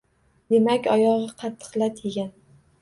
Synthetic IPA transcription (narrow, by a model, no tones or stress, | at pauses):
d̪̥e̞makʲɒjɒʁɨqʰɑt̪ʰːɨ̥qlat̪ʰeɡʲan